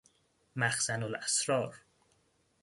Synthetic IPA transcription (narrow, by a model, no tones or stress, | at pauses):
mæxsænolæsɾɒːɾ